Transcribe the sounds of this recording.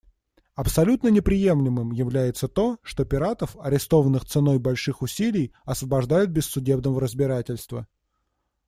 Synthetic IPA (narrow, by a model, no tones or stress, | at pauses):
ɐpsɐlʲut̪nənʲɪpɾʲɪje̞mlʲɪmɨmjɪvlʲæjɪt̪sət̪o̞ʂt̪o̞pʲɪɾat̪əfɐɾʲɪst̪o̞vənːɨxt̪sɨno̞jbɐlʲʂɨxʊsʲilʲɪjɐsvəbɐʐd̪ajʊt̪̚bʲɪsːʊdʲe̞bnəvəɾəzbʲɪɾatʲɪlʲst̪və̰